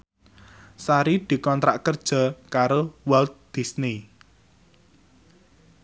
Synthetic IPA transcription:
saɾid̪̥i̤kɔnt̪ɾaʔkərd̥ʒ̥a̤kaɾowald̪̥i̤sni

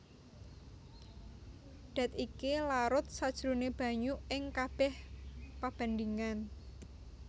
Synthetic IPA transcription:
d̪̥a̤t̪ikilaɾʊt̪̚sad̥ʒ̥ɾuneb̥ä̤ɲuɪŋkab̥ɛhpab̥a̤nd̪iŋan

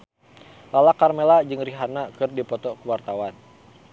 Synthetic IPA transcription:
lalakarmelad͡ʒɨŋriɦanakɨrdipɔt̪ɔkuwart̪awan

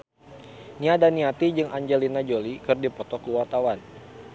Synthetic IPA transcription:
niadaniat̪id͡ʒɨŋʔaɲd͡ʒɛlinad͡ʒolikɨrdipɔt̪ɔkəwart̪awan

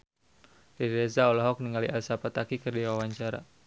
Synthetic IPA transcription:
riɾezaɔlɔɦɔk̚niŋaliʔalsapat̪akikərdiwawaɲt͡ʃaɾa̰

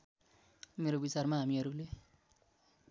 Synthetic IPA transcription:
meɾobit͡sarmaɦamiʌɾule

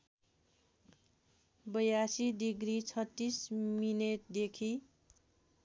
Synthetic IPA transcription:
bʌjasidiɡrit͡sʰʌt̪ːismineʈ̚d̪ekʰi

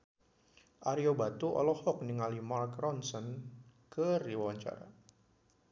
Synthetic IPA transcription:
ʔaɾiobat̪uʔɔ̰lɔhɔk̚niŋalimalkrɔnsɔnkəriwawaɲt͡ʃa̰ɾa̰

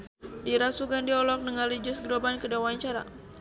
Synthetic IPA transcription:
diɾasuɡandiɔlɔk̚nəŋalid͡ʒʊsɡɾobankədawaɲt͡ʃaɾa̰

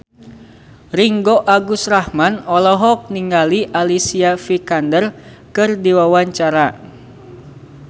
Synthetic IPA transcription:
riŋɡoʔaɡusrahmanɔlɔɦɔk̚niŋɡaliʔalisiafikandərkɨrdiwawaɲt͡ʃaɾa

